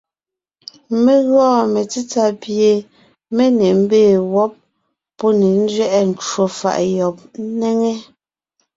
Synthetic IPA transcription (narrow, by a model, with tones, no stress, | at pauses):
me˦ɣɔː˦˨me˨t͡si˦t͡sa˦pje˨ | me˦ne˨m̩˦beː˦˨wɔ˦p̚ː | ɔ˦ne˨n̩˦d͡ʒɥɛ˦ʔɛ˦n̩˨t͡ʃwo˨fa̰˨ʔjɔ˨p̩̚˦nɛ˦ŋe˦